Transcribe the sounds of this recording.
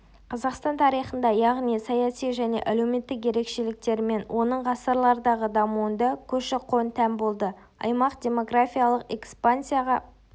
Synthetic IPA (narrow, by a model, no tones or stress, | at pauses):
qʰɑzɑqst̪ɑnt̪ʰɑɾijχənd̪ɑjɑʁnijsɑjɑsijʒæne̞̰ʔæle̞wme̞t̪ːɪkje̞ɾe̞kʃe̞lɪk̚t̪e̞ɾɪme̞nwʔo̞nəɴʁɑsəɾlˠɑɾəd̪ɑʁəd̪ɑmuənd̪ɑkʲʰɵʃɪqʰo̞nt̪ʰæmbo̞lˠd̪ə | ɑ̰jmɑqd̪ʲe̞mo̞ɡrafʲijalˠəqe̞kspansijaʁɑ